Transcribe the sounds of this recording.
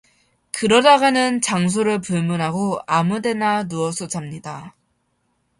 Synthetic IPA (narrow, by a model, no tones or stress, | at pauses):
kɯɾʌdaɡanɯnt͡ɕaŋs̬ʰoɾɯɭpuɭmunɦaɡoamude̞nanuʌsʰʌd͡ʑamɲida